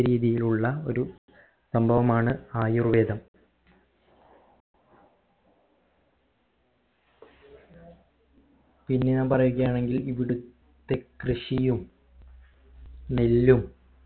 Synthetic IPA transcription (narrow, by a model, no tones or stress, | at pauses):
ɾiːðijiluɭːɐo̞̰ɾu | sɐmbʱɐʋɐmaːɳɨaːjurʋe̞ːd̪ɐm | pinːenapɐrɐjuɣɐjaːɳeŋɡiliʋiɽut̪ːe̞krɨʂijum | nelːum